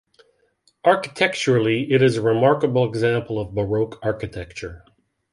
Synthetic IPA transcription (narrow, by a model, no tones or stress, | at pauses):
ʔɑɹkɨ̥tʰɛk̚t͡ʃə˞l̩ˠiʔɪɾɪzəɹɨmɑɹkəbl̩ˠɨɡzæ̃mpl̩ˠʌvbəɹoʊkʰɑɹkɨtʰɛk̚t͡ʃə˞